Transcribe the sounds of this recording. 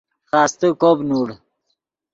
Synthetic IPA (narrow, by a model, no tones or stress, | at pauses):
xaːst̪əkobnuɽ